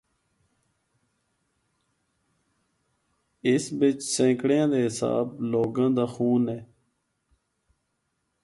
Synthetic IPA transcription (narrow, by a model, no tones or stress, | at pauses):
ɪsbɪt͡ʃsẽːkɽjãːd̪eːɦɪsa̰ːbloːɡãːd̪aːxuːneː